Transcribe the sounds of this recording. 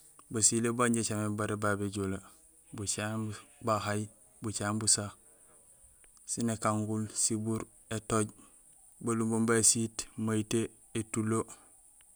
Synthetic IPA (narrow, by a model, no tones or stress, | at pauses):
basilebaɲɟet͡ʃamebaɾebabeɟula | but͡ʃabahaj | but͡ʃaːmbusa | sinekaŋɡulsibuɾ | etoɟ | balumbombasitmaite | etulo